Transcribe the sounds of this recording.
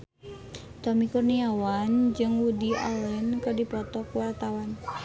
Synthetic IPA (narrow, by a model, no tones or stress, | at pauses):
t̪omikurniawand͡ʒɨŋwudia̰lɛnkədipɔt̪ɔkwart̪awan